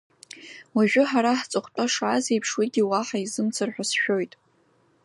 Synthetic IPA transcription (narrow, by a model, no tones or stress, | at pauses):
waʒᶣʊħaɾaħt͡sʼɨχʷt͡pʼaʂaːze̞jpʰʂwiɡʲiwaħaizɨmt͡sʰɨrħʷᶣasʃᶣo̞jtʼ